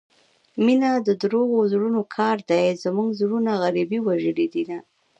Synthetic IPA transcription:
minad̪əd̪ɾoɣozɽunokʰɑɾd̪ajzəmuŋɡzɽunaɣaɾibiwaʒəɽid̪ina

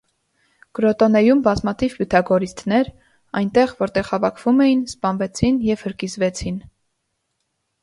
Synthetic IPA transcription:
kɾɔt̪ɔnɛjumbɑzmɑt̪ʰivpjut̪ʰɑɡɔɾist̪nɛɾ | ɑjnt̪ɛʁvɔɾt̪ɛʁhɑvɑkʰv̥umɛjinspɑnvɛt͡sʰinjɛv̥həɾkizvɛt͡sʰin

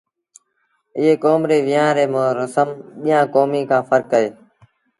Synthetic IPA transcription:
ɪɦeːkoːmɾeːʋɪːãːɾeːmãːɾəsəmɓijãːkoːmiːkʰãːfəɾkəeː

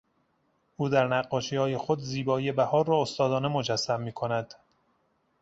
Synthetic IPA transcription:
ʔuːd̪æɾnæɢːɒːʃiːhɒːje̞xo̞d̪ziːbɒːije̞bæhɒːɾːɒːost̪ɒːd̪ɒːne̞mo̞d͡ʒæsːæmːiːkʰo̞næd̪̥

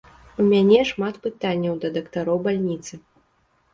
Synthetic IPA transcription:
umʲanʲɛʂmat̪pɨt̪anʲːɐwd̪ɐd̪ɐkt̪aɾɔwbalʲnʲit̪sɨ

